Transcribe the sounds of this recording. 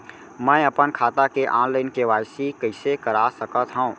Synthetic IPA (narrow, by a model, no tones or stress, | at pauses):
mə̃əpənkʰaːt̪akeʔãːnləɪnkeʋaːjsikəɪsekəɾasəkət̪ɦəũ